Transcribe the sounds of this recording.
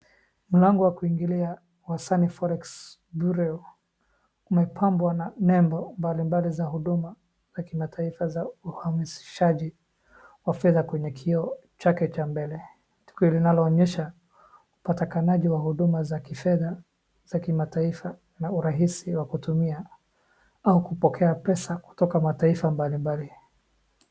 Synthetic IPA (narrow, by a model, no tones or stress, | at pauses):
m̩laŋɡɔwakuiŋɡilia | wasanifɔɾɛks | buɾɛɔ | umɛpʰambwananɛmbɔmbalimbalizaɦuɗuma | z̥akimatʰaifazauhamisi̥ʃaʄi | wafɛðakwɛɲɛkʰiɔ | t͡ʃakɛt͡ʃambɛlɛ | ti̥kiɔlinalɔːɲɛʃa | upatikanaʄiwahuɗumazakifɛða | zakimataifa | nauɾaɦisiwakutumia | aukupɔkʰɛapɛsaku̥tɔkamataifambalimbali